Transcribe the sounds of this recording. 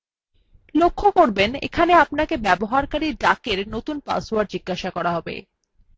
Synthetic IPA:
lokʰːokoɾbenḛkʰaneapnakebɛboɦaɾkaɾiɖakeɾnot̪unpa̰swaɾɖd͡ʑiɡːaʃakɔɾaɦɔbḛ

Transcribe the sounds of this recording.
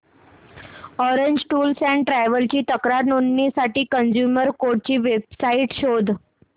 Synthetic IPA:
ɔɾeɲd͡ʑʈuːlsæɳʈɾajʋəlt͡ɕiːt̪əkɾaɾnonːisaʈiːkənd͡ʑjuməɾkoɽ̚t͡ɕiːʋebsaiʈɕod̪ʱ

